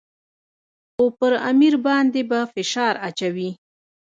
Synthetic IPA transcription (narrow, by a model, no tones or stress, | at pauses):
xopəɾa̰miɾbɑnd̪ebafɪʃɑɾat͡ʃawi